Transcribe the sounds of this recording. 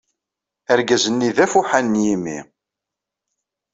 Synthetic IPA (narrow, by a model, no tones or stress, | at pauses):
æɾɡæzənːiðæfuħanːjimḭ